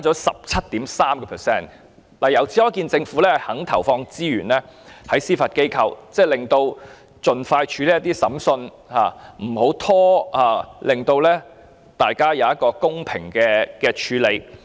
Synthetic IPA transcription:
a˥t͡sɔː˨˥sɐ˨p̚t͡sʰɐ˥t̚t̪iː˨˥msaː˥mkɛ˧pʰɛ˨˩sɛː˥˩n | laː˨˩jɐ˨˩wt͡sʰi˨˥jɔː˨˥kiː˧nt͡sɪ˧ŋfuː˨˥lɛː˥ɐ˨hɐ˨˥ŋt̪ʰɐ̰˨˩wfɔː˧ŋt͡siː˥jy̰ː˨˩nlɛː˥hɐ˨˥jsiː˥fɐ˨t̚ke˥jkʰɐ˧wt͡sɛː˥˩lɪ˨ŋt̪o˧w | t͡sɵ˨nfaː˧jt͡ʃʰyː˨˧liː˥ɐ˥t̪iː˥sɐ˨˥msɵ˧n | ha̰ː˨˩m̩˨˩ho˨˥wt̪ʰɔː˥aː˨˩lɪ˨ŋt̪o˧wlɛː˥ | t̪aː˨jkaː˥jɐ˨˧wjɐ˥t̚kɔː˧kʊ˥ŋpʰɪ̰˨˩ŋkɛː˧kɛː˧t͡ʃʰyː˨˥le˨˧j

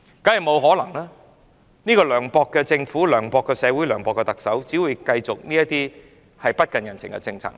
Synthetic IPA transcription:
kɐː˨˥jɐ˨˩mo˨˧wɦɔː˨˥lɐ˨˩ŋlaː˥ | niː˥kɔː˧lœː˨˩ŋpɔː˧kːɛ˧t͡sɪ˧ŋfuː˨˥lœː˨˩ŋpɔː˧kːɛː˧sɛː˨˧wuː˨˥jlœː˨˩ŋpɔː˨˧kːɛ˧t̪ɐ˨k̚sɐ˨˥wt͡siː˨˥wuː˨˧jkɐ˧jt͡sʊ˨k̚niː˥jɐ˥t̪̚iː˥ | hɐ˨jpɐ˥t̚kɐ˨˩njɐ˨˩nt͡sʰɪ̰˨˩ŋkɛ̰˧t͡sɪ˧ŋt͡sʰɐ̰ː˨˩ŋ

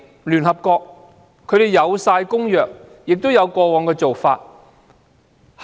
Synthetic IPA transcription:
lyː˨˩nɦɐ˨p̚kɔː˧k̚ | kʰːɵ˨˧ɥt̪e˨jɐ˨˧wsaː˧jkʊ˥ŋjœː˨k̚ | jɪ˨k̚t̪o˥wjɐ˨˧wkɔː˧wɔː˨˧ŋkɛː˧t͡so˨wfa̰ː˧t̚ | h

